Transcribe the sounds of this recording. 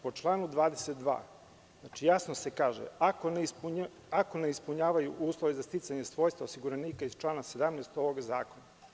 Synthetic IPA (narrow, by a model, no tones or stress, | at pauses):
po̞t͡ʃlˠaːnud̪ʋaːd̪eset̪̚d̪ʋa̰ː | znat͡ʃijasnose̞kaːʒḛakonpu | akoneispuɲaːʋajṵʔuːslˠoʋezast̪it̪saɲe̞sʋo̞ːjst̪aosiɡuɾaniːkaizt͡ʃlˠaːnase̞d̪amnɛːst̪oʋo̞ɡzaːko̞na